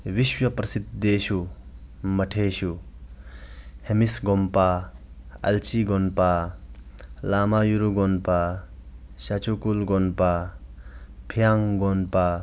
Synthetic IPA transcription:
wiʃwɐpɾɐsid̪̚ːeɕu | mɐʈʰeɕu | hemisɡompa | ɐ̰lt͡ʃiɡonpa | laːmajuɾuɡonpa | ɕat͡ʃʰukulɡonpa | pʰijaŋɡonpa

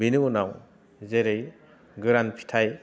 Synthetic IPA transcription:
binɯunaw | zeɾɯj | ɡɯɾanpʰi̥tʰaj

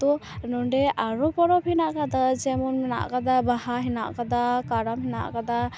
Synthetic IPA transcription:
t̪ɔnɔɳɖɛʔaɾɔpɔɾɔphɛnaʔkad̪ad͡ʒɛmɔnmɛna̰ʔkad̪abahaɦɛna̰ʔkad̪akaɾamɦɛna̰ʔkad̪a

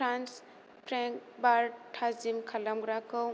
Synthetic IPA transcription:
ɾans | pʰɾɛŋkbaɾʈʰazimkʰalamɡɾakɔw

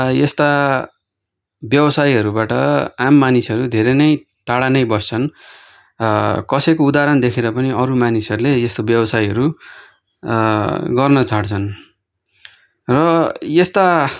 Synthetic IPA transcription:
jest̪a | bjʌbʌsajɦʌɾubaʈʌamːanisʌɾud̪ʱeɾʌnʌj | ʈaɽanʌjbʌst͡sʰʌn | kʌsʌjkoud̪aɾʌnd̪ekʰeɾʌpʌniʌɾumanisʌɾulejest̪objʌbʌsajɦʌɾu | ɡʌrnʌt͡sʰaɽt͡sʰʌn | rʌjest̪a

